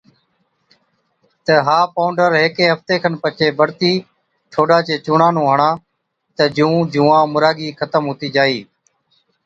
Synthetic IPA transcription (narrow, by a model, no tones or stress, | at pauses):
t̪əɦaːpaːʊɳɖəɾɦeːkẽːɦəft̪eːkʰənpət͡ʃʰeːbʱəɽt̪iː | ʈʰoːɖaːt͡ʃeːt͡ʃʊːɳãːnũːɦəɳãː | t̪əd͡ʒũːd͡ʒũːãːmʊɾaːɡiːkʰət̪əmɦʊːt̪iːd͡ʒaːiː